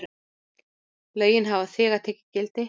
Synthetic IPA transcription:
lœːɥjɪnɦavaθɛːɣat̪ʰɛːcɪcɪlt̪ɪ

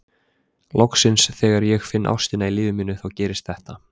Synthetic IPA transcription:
lɔwksɪnsθɛːɣaɾjɛɣfɪnːʔa̰wsc̪ɪnailiːvɪmɪːnːʏθawcɛːɾɪst̪θɛht̪a

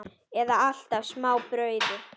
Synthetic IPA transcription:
ɛðaal̥t̪avsmaːwpɾœːɥðʏ

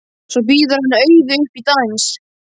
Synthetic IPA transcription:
sɔp̬iːðʏɾhanːaœːɥðɪʏhpit̪ans

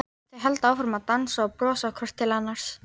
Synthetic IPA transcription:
t̪ɪɦɛlt̪aaːwfɪɾmaðt̪ansaːpɾɔːsakʰœr̥t̪ʰːɪlanːaɾ̥s

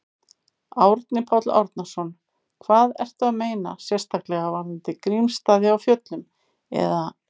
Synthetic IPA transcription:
awɾt̪nɪpʰawt̪la̰wɾt̪nasɔn | kʰvaːðɛ̰r̥t̪ʏaðmeːjna̰sjɛ̥st̪ʰaklɛɣavaɾɪnt̪ɪkɾimst̪aːðɪawfjœt̪lʏm | ɛ̰ða

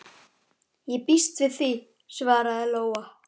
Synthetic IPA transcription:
jɛpist̪vɪðθi | svaːɾaðɛloːwa

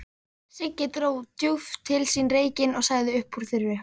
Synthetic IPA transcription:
sɪcːɪt̪ɾoːwt̪juvt̪ʰɪlsiːnɾeːjcɪnɔɣsaːɣðɪʏhpːuɾ̥θɪɾvʏ

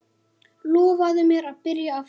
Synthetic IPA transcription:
lɔːvaðʏmjɛɾaðpɪɾjaːf

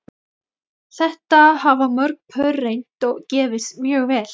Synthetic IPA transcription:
θɛht̪ahavamœɾk̚pʰœɾːejn̥t̪ɔɣcɛːvɪsmjœːɣvɛːl

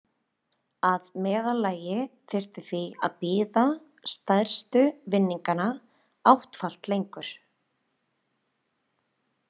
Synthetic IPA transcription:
aðmɛːðalaːjɪθɪr̥t̪ɪθvia̰ðpiːða | st̪ajɾ̥st̪ʏvɪnːiŋkana | awht̪fal̥t̪lejŋkʏɾ̥

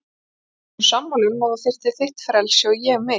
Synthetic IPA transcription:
samːɔlʏnmawðafɪr̥t̪ɪ̥θɪht̪fɾɛlsjɔwjɛɣmɪ

